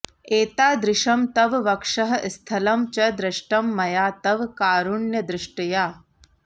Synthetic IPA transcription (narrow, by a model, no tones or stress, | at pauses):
eːt̪aːd̪ɾɪʃɐmt̪ɐʋʋɐkʂɐɦɐst̪ʰɐlɐmt͡ʃɐd̪ɾɪʃʈɐmːɐjaːt̪ɐʋkaːɾuɳjɐd̪ɾɪʂʈɐjaː